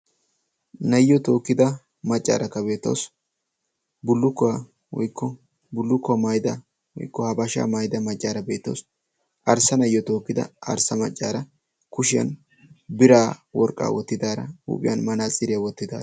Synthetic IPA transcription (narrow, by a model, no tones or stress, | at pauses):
nɐjːɔt̪o̞ːkːɪd̪ɐ | mɐt͡ʃʼːa̰ːɾɐkːɐbe̞ːt̪ːɐ̰ws | bʊlːʊkːɔwa | wɔ̰jkʰːɔ | bʊlːʊkːɔmɐjd̪ɐ | wɔ̰jkːɔhɐbɐʃa̰ːmɐjd̪ɐmɐt͡ʃʼːaːɾɐbe̞ːt̪ːɐ̰ws | ʔɐɾsɐnɐjːɔt̪o̞ːkːɪd̪ɐ̰ɐɾsɐmɐt͡ʃʼːaːɾɐ | kʊʃɪjɐ̰n | bɪɾaːwɔɾkʼːa̰ːwɔt̪ːɪd̪aːɾɐ̰ṵːpʼɪ̰jɐ̰nmɐnaːt͡sʼɪɾɪjawɔt̪ːɪd̪a̰ː